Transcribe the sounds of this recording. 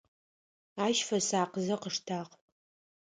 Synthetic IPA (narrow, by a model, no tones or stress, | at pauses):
aːʃfɐsaːqəzɐqəʂtʰaːq